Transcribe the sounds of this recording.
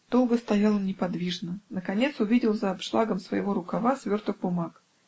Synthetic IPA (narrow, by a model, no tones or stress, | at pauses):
d̪̥o̞lˠɡəst̪ɐjalˠmnʲɪpɐd̪vʲiʐnənəkɐnʲe̞t̪sʊvʲidʲɪlˠzəːpʂlˠaɡəmsvə̰jɪvoɾʊkɐvasvʲort̪ʊxbʊmak